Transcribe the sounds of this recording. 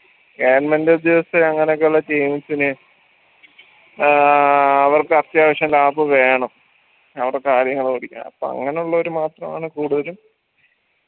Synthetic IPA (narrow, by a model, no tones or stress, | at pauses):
eːnmɐnded̪jɐʋɐsɨɐŋːɐneokːeuɭːɐt͡ɕejmit͡ɕːinɨ | ɐʋɐrkɨɐrt̪jaːʋɐɕjɐnlaːpɨʋe̞ːɳɐm | ɐʋiɽekaːɾjɐŋːɐɭkoɽikʲːa̰ɐ̰pːo̰ɐ̰ŋːɐneuɭːɐo̞ɾumaːt̪rɐma̰ːɳɨkuːɽuðɐlum